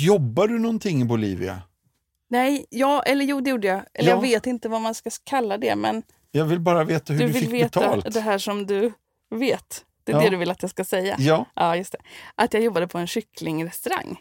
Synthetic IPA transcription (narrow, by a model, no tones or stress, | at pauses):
jɔbːaɖɵnɔnt̪ʰɪŋːɪbʊlḭːvɪ̰a̰ | nɛjjɑːʔɛlːəɾjuːd̪ɛjuːɖəjɑʔɛlːəɾjɑɡveːt̪ɪnt̪əvamanskakʰalːad̪ɛ̰mɛn | jɑːɡvɪlbɑːɾaveːt̪ahɵd̪ɵvɪlveːt̪ʰaltd̪ɛɦæːʂɔmd̪ɵ | veːt̪ | d̪̥ɛɛd̪ɛd̪ɵvɪlːat̪jɑskasɛjːa̰ːʔɑːjɵst̪ʰɛ̥ʔat̪jɑːɡjɔbːad̪əpʰɔɛnɕʏklɪŋɾɛst̪ɵɾa̰ŋː